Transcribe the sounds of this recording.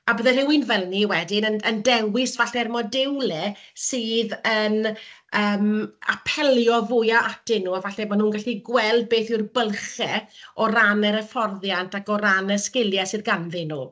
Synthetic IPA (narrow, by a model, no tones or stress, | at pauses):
abəðɛrɪwɪnvɛlˠniwɛdɪnənəndɛwɪsvaɬɛrmɔdɪwlˠɛsɨːðənəːma̰pʰɛlˠjɔvʊjaʔatɪnːuːavaɬɛbɔnhuːnɡaɬiɡwɛlˠd̚beːθɪwrbəlˠχɛɔranəɾəfɔrðjantakɔɾanəskɪlˠjasɨðɡanðɪnuː